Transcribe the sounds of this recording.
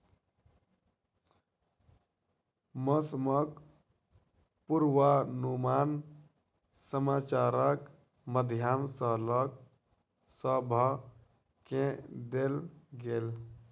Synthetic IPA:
məsmək | puɾwanumaːn | səmaːt͡ʃaɾək | məd̪ʱjamsələk̚ | səbʱə | kẽd̪elɡel

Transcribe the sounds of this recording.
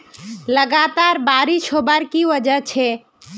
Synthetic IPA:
ləɡat̪aɾbaɾit͡ʃʰobəɾkiəd͡ʒət͡ʃʰɛ

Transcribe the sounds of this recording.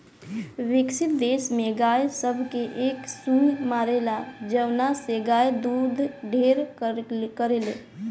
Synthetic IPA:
ʋɪksit̪̚d̪esmẽɡajsəbʱkeʔeksũjmaɾelad͡ʒəʊnaseɡajd̪ud̪ʱɖʱeɾ | kəɾele

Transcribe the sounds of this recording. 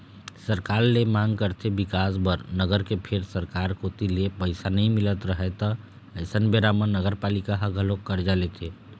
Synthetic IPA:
səɾkaɾlemãŋɡkəɾt̪ʰebikasbəɾnəɡəɾkepʰeɾsəɾkaɾkot̪ilepəɪsanəĩmilət̪ɾəɦɛt̪ɔ | əjsənbeɾamənəɡəɾpalikaɦəɡʱəlokːəɾd͡ʒalet̪ʰe

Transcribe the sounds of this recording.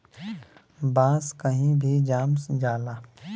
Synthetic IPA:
bãːskəɦĩbʱid͡ʒaːmsd͡ʒaːlaː

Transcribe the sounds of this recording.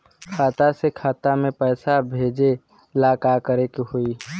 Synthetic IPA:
kʰaːt̪asekʰaːt̪amẽpɛːsabʱeːd͡ʒe | laːkakəɾekɦui

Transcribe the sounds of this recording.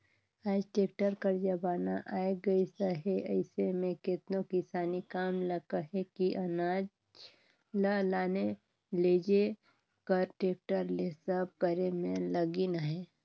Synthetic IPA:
aːd͡ʒʈeːk̚ʈəɾkəɾd͡ʒəbaːnaʔaːeɡɐisəɦeʔɐɪsemẽkɪt̪nokɪsaːnikaːmlɐɡaɦɛkiʔɐnaːd͡ʒ | lalaːne | leːd͡ʒe | kəɾʈeːk̚ʈəɾlesəb̚kəɾemẽlɐɡinaɦɛː

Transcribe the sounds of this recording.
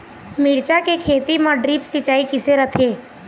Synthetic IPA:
miːɽt͡ʃakekʰeːt̪imãɖɾiːpsɪt͡ʃaːikɪseɾət̪ʰeː

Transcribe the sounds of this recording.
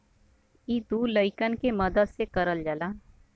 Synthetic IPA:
iːd̪uːləɪkənkemɐd̪əd̪sekəɾəld͡ʒəlaː

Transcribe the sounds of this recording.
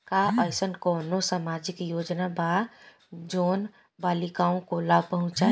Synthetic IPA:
kaʔəjsənkɔnosamad͡ʒikjod͡ʒnaba | d͡ʒoːn | balikaõkolabpəɦũt͡ʃt͡ʃaɦ

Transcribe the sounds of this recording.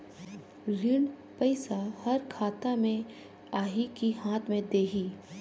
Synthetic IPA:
lɪɳ | pɐɪsahɐɾkʰaːt̪amẽ | aːɦikiɦãːt̪ʰmẽd̪eːɦiː

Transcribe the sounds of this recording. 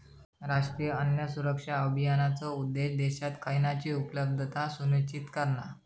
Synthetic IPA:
ɾaʂʈɾijəənjasuɾəkʂaəbʱijanat͡sɔud̪ːeɕd̪eɕat̪kajnat͡ɕiːupləb̚d̪ʱət̪asunit͡ɕit̪kəɾna

